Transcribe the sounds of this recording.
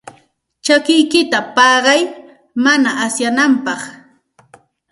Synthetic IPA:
t͡ʃakɪjkɪt̪apɑːɢɑj | manaʔːsjanampɑχ

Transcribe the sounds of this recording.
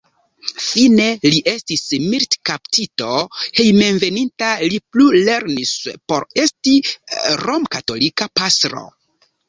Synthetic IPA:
fine̞liʔe̞stismiɾtkaptito̞he̞jme̞nve̞nintaliplule̞ɾnispo̞ɾe̞stiɾo̞mkato̞likapastɾo̞̰

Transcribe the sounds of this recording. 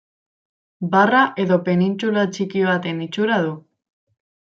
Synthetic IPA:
baraʔe̞ðo̞pe̞nint͡sulat͡ʃikiβat̪e̞nit͡ʃuɾaðu

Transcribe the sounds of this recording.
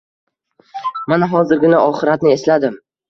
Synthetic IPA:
manaɦɒzɪɾɡʲɪnaʔɒχɪɾat̪nɪe̞slad̪ɪm

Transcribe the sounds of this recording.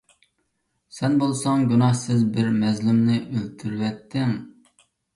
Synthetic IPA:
sɛnbolˠsɑŋɡʲunɑhsɪzbɪɾmɛzlɪmnɪʔølt̪ʰyɾwɛt̪ʰːɪŋ

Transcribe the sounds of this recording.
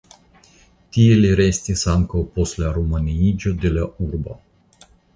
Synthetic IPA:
t̪ieleɾesʲt̪ʲesaŋkaoposlaɾumaniid͡ʒod̪elaurba

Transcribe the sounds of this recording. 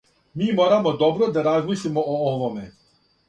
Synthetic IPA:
miːmɔɾamɔd̪ɔbɾɔd̪aɾazmiʃlimɔʔoɔʋɔmɛ

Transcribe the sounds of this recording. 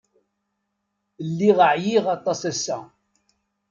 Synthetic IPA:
lːiʁəʕjiʁɑt̪ˤːɑsæsːæ

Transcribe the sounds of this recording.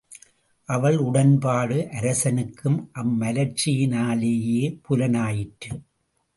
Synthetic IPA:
ʔɐʋɐɭʊɽɐnpaːɽɯʔɐɾɐsɐnɯkːɯmʔɐmːɐlɐɾt͡ʃːɪjɪnaːleːjeːpʊlɐnaːjɪʈːɯ

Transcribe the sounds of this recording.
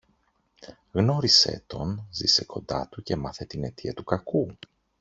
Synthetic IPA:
ɣno̞ɾisḛt̪o̞nzḭse̞ko̞̰nd̪ɐ̰t̪uce̞mɐθe̞t̪ine̞t̪ʰiɐt̪ukɐku

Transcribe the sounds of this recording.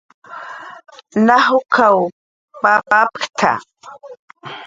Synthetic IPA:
naɦʊkʰaw | papapkt̪ʰa̰

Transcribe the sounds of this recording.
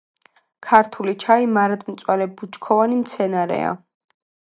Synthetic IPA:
kʰaɾt̪ʰulit͡ʃʰaimaɾad̪mt̪sʼwalɛbut͡ʃkʰɔvanimt̪sʰɛnaɾɛ̰a̰

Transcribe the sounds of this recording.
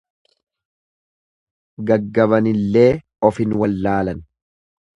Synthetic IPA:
ɡɐɡːɐβɐnɪlːe̞ː | ɔfɪnwɐlːaːlɐn

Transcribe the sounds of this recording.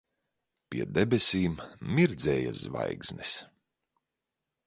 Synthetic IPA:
pʲiɛd̪ɛbesʲiːmmiɾd̪zʲɛːja̰zva̰jɡz̥nis

